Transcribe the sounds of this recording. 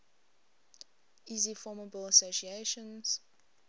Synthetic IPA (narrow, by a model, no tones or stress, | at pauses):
iːzifɔməbəlˠəsosieʃə̃nz̥